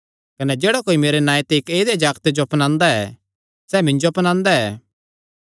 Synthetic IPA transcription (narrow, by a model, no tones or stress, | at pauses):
kɐnɛd͡ʒeːɽakoːimeːɾenaːjt̪eɪkeːd̪ed͡ʒaːɡt̪ed͡ʒoɐpnãːnd̪aɛ | sɛːmɪ̃nd͡ʒoɐpnãːnd̪aɛː